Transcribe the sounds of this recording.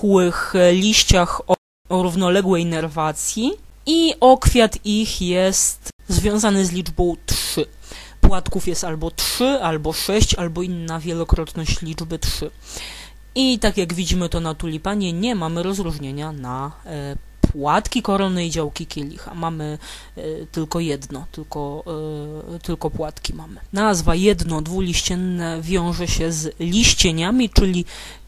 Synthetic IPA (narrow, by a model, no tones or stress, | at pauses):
wɘxlʲiɕt͡ɕaxɔ | ɔɾuvnɔlɛɡwɛjnɛɾvat̪sʲji | iʔɔkfʲjat̪ixjɛst̪zvʲjɔ̃w̃zanɘzlʲid͡ʐbɔ̃w̃tʂɘ | pwat̪kufjɛst̪albɔtʂɘalbɔʂɛɕt͡ɕalbɔinːavʲjɛlɔkɾɔt̪nɔɕt͡ɕlʲid͡ʐbɘtʂɘ | it̪akʲjaɡvʲid͡ʑimɘt̪ɔnat̪ulʲipaɲɛɲɛmamɘɾɔzɾuʐɲeɲana | pwat̪kʲikɔɾɔnɛid͡ʑawkʲikʲjɛlʲḭxa̰mamɘ | t̪ɘlkɔjɛd̪nɔt̪ɘlkɔ | t̪ɘlkɔpwat̪kʲimamɘnazvajɛd̪nɔd̪vulʲiɕt͡ɕɛnːɛvʲjɔ̃w̃ʐɛɕɛzlʲiɕt͡ɕeɲamʲit͡ʂɘlʲi